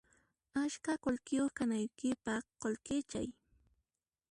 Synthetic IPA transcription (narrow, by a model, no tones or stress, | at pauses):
aʃkakolkɪjoχkanajkɪpɑqolkɪt͡ʃa̰j